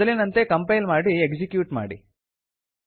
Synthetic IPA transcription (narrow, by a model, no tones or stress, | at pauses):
ɐlinɐnt̪ekɐmpɐjlmaːɽieɡd͡ʒikjuːʈma̰ːɽḭ